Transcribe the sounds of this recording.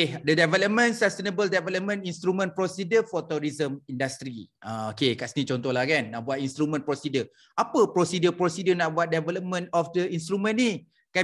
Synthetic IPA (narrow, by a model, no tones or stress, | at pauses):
dədɛvɛləp̚mə̃nsast̪enəbəldɛvɛləp̚mə̃nĩnst̪ɾumə̃npɾosidəfɔt̪uɾizəmindast̪ɾiʔəokekaʔsənĩt͡ʃɔ̃nt̪ɔhlahkanːãʔbuat̪̚inst̪ɾumə̃npɾosidə | apəpɾosidəpɾosidənaʔbuat̪̚dɛvɛləp̚mə̃nɔfdəins̬t̪ɾumə̃nni | ka